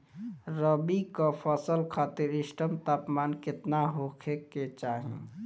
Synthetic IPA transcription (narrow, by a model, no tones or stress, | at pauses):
ɾəbikəpʰəsəlkʰat̪iɾisʈəmt̪apmankɪt̪naɦokʰekːet͡ʃaɦḭ̃